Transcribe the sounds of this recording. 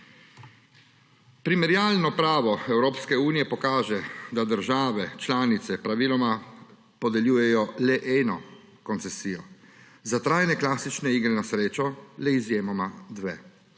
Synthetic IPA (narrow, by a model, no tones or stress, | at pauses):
pɾimɛɾjaːlnɔpɾaːʋɔɛwɾoːpskɛuːnijɛpɔkaːʒɛd̪ad̪əɾʒaːʋɛt͡ʃlaːnit̪sɛpɾaʋiːlɔma | pɔd̪ɛljuːjɛjɔlɛʔɛːnɔ | kɔnt̪sɛsiːjɔ | zat̪ɾaːjnɛklaːsit͡ʃnɛiːɡɾɛnasɾeːt͡ʃɔlɛizjeːmɔmad̪ʋɛ